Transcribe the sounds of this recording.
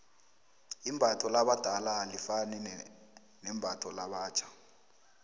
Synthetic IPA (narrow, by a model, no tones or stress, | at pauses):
imbʱatʰɔlaɓad̥ʱalalifanɛ | nɛmbʱatʰɔlaɓaːt͡ʃʰḁ